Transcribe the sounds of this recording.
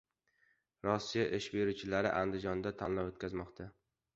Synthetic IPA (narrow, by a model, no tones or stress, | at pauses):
ɾɒsːijaʔɪʃbeɾut͡ʃʰɪlaɾɪ̰ʔand̪ɪd͡ʒɒnd̪at̪ʰanlawot̪̚kʲazmɒqt̪ʰa